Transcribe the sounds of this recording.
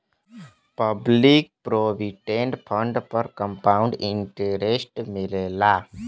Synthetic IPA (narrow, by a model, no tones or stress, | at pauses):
pəblik̚pɾoːʋiʈẽɳɖpʰə̃ɳɖpəɾkə̃mpaːʊ̃ɳɖɪ̃ɳʈeɾesʈmɪleːlaː